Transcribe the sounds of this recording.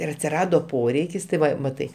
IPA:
ɪr ɐtʲsʲɪˈrɑːdoː ˈpoːrʲɛɪkʲɪs tɐɪ ˈʋɐ mɐˈtɐɪ

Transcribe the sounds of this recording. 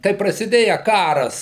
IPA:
kɐɪ prɐsʲɪˈdʲeːjɛ ˈkɑːrɐs

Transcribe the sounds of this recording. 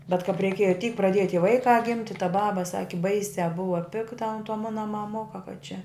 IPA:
bʲɛt kɐp rʲɛɪˈkʲiɛjɛ tʲiːk prɐˈdʲiɛjɛ tʲiɛ ˈʋɐɪkɑː ˈɡʲɪmʲtʲɪ tɐ ˈbɑːbɐ ˈsɑːkʲɪ ˈbɐɪsʲæː ˈbʊʋɐ ˈpʲɪktɐ ɐnt toː ˈmʊnɐ mɐˈmʊkɐ kɐ t͡ʃʲɛ

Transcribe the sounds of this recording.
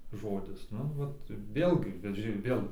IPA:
ˈʒoːdʲɪs ˈnʊ ˈʋɐt ˈʋʲeːlʲɡʲɪ bʲɛt ˈʒʲɪ ˈʋʲeːlˠ

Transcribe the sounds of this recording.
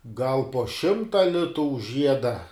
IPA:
ɡɐlˠ poː ˈʃʲɪmtɐ ˈlʲɪtʊ ʊʃ ˈʒʲiɛdɐ

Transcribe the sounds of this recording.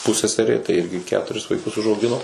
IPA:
pʊˈsʲæːsʲɛrʲeː tɐɪ ˈɪrʲɡʲɪ ˈkʲæːtʊrʲɪs ʋɐɪˈkʊs ʊʒɐʊˈɡʲɪnoː

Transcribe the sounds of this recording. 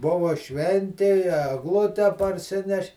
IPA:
ˈbʊʋɐ ˈʃʲʋʲɛnʲtʲɪ ɪ ɛɡˈlˠʊtʲɛ pɐrʲˈsʲɪnʲɛʃʲ

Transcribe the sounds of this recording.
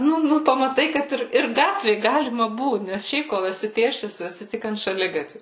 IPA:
ˈnʊ ˈnʊ pɐmɐˈtɐɪ kɐt ˈɪr ɪr ˈɡɑːtʲʋʲeː ˈɡɑːlʲɪmɐ ˈbuːt nʲɛs ˈʃʲɛɪp koːlˠ ɛˈsʲɪ ˈpʲeːsʲt͡ʃʲɛs ˈtʊ ɛˈsʲɪ ˈtʲɪk ɐnt ʃɐˈlʲɪɡɐtʲʋʲʊ

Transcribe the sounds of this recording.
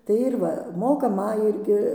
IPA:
tɐɪ ɪr ˈʋɐ ˈmoːkɐ ˈmɐ ˈɪrʲɡʲɪ

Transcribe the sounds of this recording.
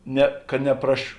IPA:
ˈnʲɛ kɐ nʲɛprɐʃ

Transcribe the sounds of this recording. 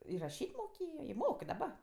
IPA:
ɪr rɐˈʃʲiːtʲ moːˈkʲeːjoː ɪ ˈmoːk ɪ dɐˈbɐ

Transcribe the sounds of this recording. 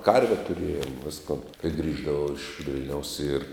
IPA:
ˈkɐrʲʋʲɛ tʊˈrʲeːjoːm ˈʋʲɪskoːn kɐɪ ˈɡrʲiːʒdɐʋɐʊ ɪʃ ˈʋʲɪlʲnʲɛʊs ɪr

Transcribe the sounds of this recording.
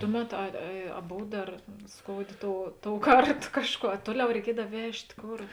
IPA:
ˈtʊˌmʲɛt ˈɐ ɐ ɐ ˈboːw ˈdɐr ˈskoːʊˌdʲeː ˈtoːʊ ˈtoːʊˌkɐrt ˈkɑːʃˌkuɔ ɐ ˈtuɔˌlʲɛʊ rʲɛɪˈkʲiɛdɐw ˈʋʲɛʃʲtʲ ˈkoːr

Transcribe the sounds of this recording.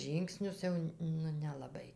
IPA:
ˈʒʲiːŋksʲnʲʊs ˈjɛʊ nʊ nʲɛlˠɐˈbɐɪ

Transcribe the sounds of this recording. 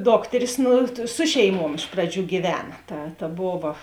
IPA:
ˈdoːktʲɛrʲɪs ˈnʊ ˈsʊ ʃʲɛɪˈmuɔm ˈɪʃ prɐˌd͡ʒʲuː ɡʲiːˈʋʲæːnɐ ˈtɐ tɐ ˈboːʋɐ

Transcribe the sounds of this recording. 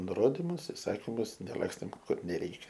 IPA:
nʊˈroːdʲɪmʊs ɪˈsɑːkʲɪmʊs nʲɛˈlˠɑːksʲtʲeːm ˈkʊr nʲɛˈrʲɛɪkʲɛ

